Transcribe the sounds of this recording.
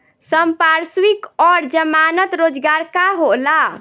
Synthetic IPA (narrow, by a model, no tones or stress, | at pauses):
səmpaɾswikɔɾd͡ʒəmanət̪ɾod͡ʒɡaɾkaɦola